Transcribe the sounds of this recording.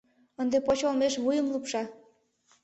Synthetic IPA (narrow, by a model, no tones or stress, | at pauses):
ənd̪epot͡ɕolmeʃβujə̆mlˠupʃɑ